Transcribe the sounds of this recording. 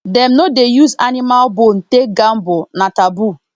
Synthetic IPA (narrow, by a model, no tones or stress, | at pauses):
dɛmnodejuza̰nimalbon̩tek̚ɡam̩bʊnatabu